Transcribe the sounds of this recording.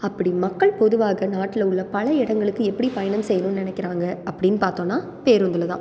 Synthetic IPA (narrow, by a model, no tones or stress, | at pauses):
ɐpːɐɽimɐkːɐɭpɔðɯʋaːɣɐnaːʈːɪlɐʊɭːɐpɐlɐɪɽɐŋɡɐɭɯkːɯɛpːɐɽipɐjɐnɐmsɛjɐnɯmnɪnɛkːɪɾaːŋɡɐɐpːɐɽɪnːɯpaːɾt̪õːnːaː | peːɾʊnd̪ɪlɐt̪ã̰ː